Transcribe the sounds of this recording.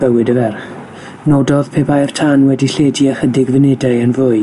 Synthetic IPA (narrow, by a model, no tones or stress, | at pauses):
b̥əwɪdəvɛrχ | nodɔð̥pʰeːpajr̥tʰanwɛdiɬeːdiəχədɪɡvɪnɛdaɨənvʊɨ